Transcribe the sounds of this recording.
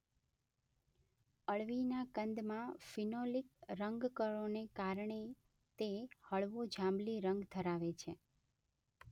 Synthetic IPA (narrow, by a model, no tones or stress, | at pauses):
əɭʋinakənd̪mãfinolik̚ɾəŋɡkəɾonekaɾɳe | t̪ehəɭʋod͡ʒãmliɾəŋɡt̪ʰəɾaʋet͡ʃʰe